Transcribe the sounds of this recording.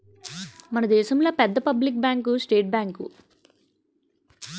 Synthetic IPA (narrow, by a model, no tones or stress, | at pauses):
mɐnɐd̪ɛːʃɐmlo̞ːpɛd̪ːɐpɐblik̚bjaːŋkusʈeːʈ̚baːŋkṵ